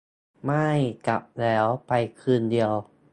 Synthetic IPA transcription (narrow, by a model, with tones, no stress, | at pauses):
ma˥˩jka˨˩p̚lɛː˦˥wpa˧jkʰɯː˧ndi˧əw